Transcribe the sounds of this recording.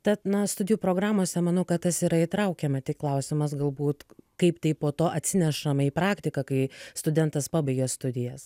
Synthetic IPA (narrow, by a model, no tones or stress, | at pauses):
t̪ʲɛt̪nɐst̪ʊdʲɪjuːpɾoːɡɾɑːmoːsʲɛmɐnɐʊkɐt̪tɐsiːɾɐit̪ɾɐʊkʲɛmɐt̪ʲɪklˠɐʊsʲɪmɐsɡɐlˠbuːt̪kɐɪpt̪ɐɪpoːt̪oːʔɐt̪ʲsʲɪnʲɛʃɐmiːpɾɑːkt̪ʲɪkɐkɐɪst̪ʊd̪ʲɛnt̪ɐspɑːbɐɪɡʲɛst̪ʊd̪ʲɪjɛs